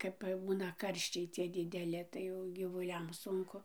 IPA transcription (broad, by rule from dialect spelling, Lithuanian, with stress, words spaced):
ˈkɐp ˈbuːnɐ ˈkɐrʲʃʲt͡ʃʲɛɪ t͡sʲiɛ dʲɪdʲɛˈlʲɪ tɐɪ ˈjɛʊ ɡʲiːʋʊˈlʲɛm ˈsʊŋkʊ